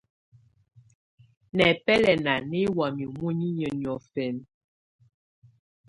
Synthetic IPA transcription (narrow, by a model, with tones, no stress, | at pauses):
nɛ˨pɛ˦lɛ˨na˨ne˦wa˨mi˨mu˦ɲi˦ɲə˨njɔ˨fɛ˨n